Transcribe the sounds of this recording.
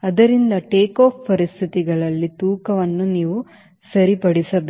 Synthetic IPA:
ɐd̪ɐɾind̪ɐʈeːkoːpʰpɐɾist̪ʰit̪iɡɐɭɐlːit̪uːkɐʋɐnːuniːʋu | sɐɾipɐɽisɐbe

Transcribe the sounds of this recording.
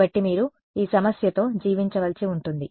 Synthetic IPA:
ɐʈːimiːɾu | iːsɐmɐsjɐt̪o̞ːd͡ʒiːʋiɲt͡ʃɐʋɐlsiuɳʈund̪i

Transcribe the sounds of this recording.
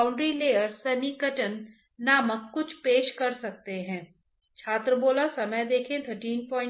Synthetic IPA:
ʊ̃ɳɖɾileːəɾsɐnikəʈənː | aːməkkʊt͡ʃʰpeːʃkɐɾsɐk̚t̪eɦɛ̃ː | t͡ʃʰaːt̪ɾəboːlasɐməjd̪eːkʰẽt̪ʰəɾʈiːnpɔ̃ːɪ̃

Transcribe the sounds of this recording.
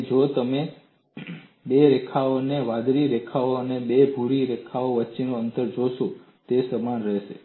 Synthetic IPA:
d͡ʒot̪əme | beɾekʰaoneʋad̪ɾiɾekʰaoənebebʱuɭiɾekʰaoʋətːt͡ʃinoənt̪əɾd͡ʒoʃõ | t̪esəmanɾɛʃḛ

